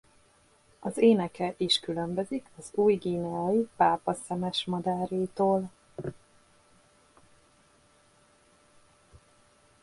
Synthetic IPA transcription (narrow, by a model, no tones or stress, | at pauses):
ɒzeːnɛkɛʔiʃkylømbøzikɒzuːjɡiːnɛɒjipaːpɒsɛmɛʃmɒd̪aːɾeːt̪oːl